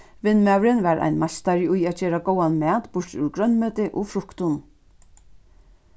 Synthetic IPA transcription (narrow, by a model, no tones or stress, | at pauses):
ʋɪnːmæwɾɪnʋaɾʔa̰jnmḁt̪aɾɪujæːt̪d͡ʒeːɾaɡowanmɛːt̪bʊɹt̪ʉ̰ɹɡɾœnːmœːt̪ɪʔɔfɾʊkt̪ʊn